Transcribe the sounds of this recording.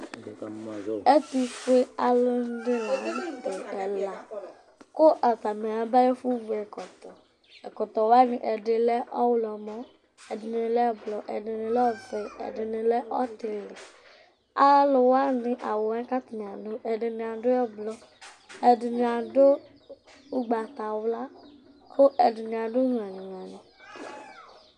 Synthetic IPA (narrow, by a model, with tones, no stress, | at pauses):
e˦t̪u˨fe˦a˨lo˦n˦de˦la˨˦de˨ɛ˨la˨ | ko˦ʔa˨t̪a˨me˨a˨ba˦jɛ˦fu˦vu˨ɛ˨kɔ˨t̪ɔ˨ | ɛ˨kɔ˨t̪ɔ˨wa˦nĩ˨ʔɛ˨ɖe˨lɛ˦ɔ˦wʊ˦lɔ˨mɔ˦ | ɛ˨dɪ˨n˨ɪ˨lɛ˦ɛ˦blɔ˨ʔɛ˨dɪ˨nɪ̃˨lɛ˦ɔ˦vɛ˨ɛ̰˨dɪ˨nɪ̃˨lɛ˦ʔɔ˦t̪e˨lɪ˨ | a˦lʊ˨wa˦nɪ̃˨ʔa˨wo˨ɛ˦ka˦t̪i˨nĩ˨a˨do˦ʔɛ˨dɪ˨nɪ̃˨a˨dʊ˦ɛ˦blɔ˨ | ɛ˨dɪ˨nɪ˨a˨do˦ | u˦ɡ͡ba˨t̪a˨wʊ˦la˦ | ko˦ʔɛ˨dɪ˨nĩ˨a˨dʊ˦ɦũ˨a˨nĩ˨n˨a˨nĩ˨